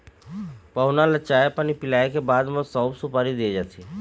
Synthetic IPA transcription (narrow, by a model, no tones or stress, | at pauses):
pəɦʊnalət͡ʃaːepanipɪlaːekebaːd̪mə̃sɔːbsupaːɾid̪ied͡ʒaːt̪ʰi